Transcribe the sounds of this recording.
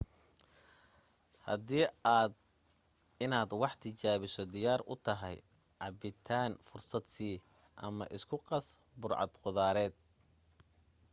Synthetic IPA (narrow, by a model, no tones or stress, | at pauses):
hɐ̰d̪iːaːd̪ | ɪnaːd̪wɑħt̪ʰɪt͡ʃaːβɪsɔd̪ɪjaːɾʔʊ̰t̪ʰɐɦɛ̰j | ʕɑbɪt̪ʰaːnfʊrsɐd̪siː | ʔɐ̰mɐ̰ʔɪskʰʊqɑs | bʊrʕɑ̰d̪qʊðaːɾɛːd̪̥̚